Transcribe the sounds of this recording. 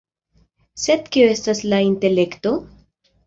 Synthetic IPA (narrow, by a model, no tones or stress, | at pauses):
se̞d̪̚kioe̞staslainte̞le̞kto̞